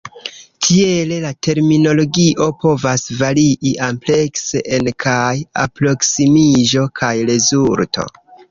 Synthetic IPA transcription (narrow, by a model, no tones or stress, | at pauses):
tʰie̞le̞latʰe̞ɾmino̞lo̞ɡiʔo̞po̞vasvaɾiʔiʔample̞kse̞ʔenkʰaja̰pɾo̞ksimiʒo̞kʰajɾe̞zultʰo̞̰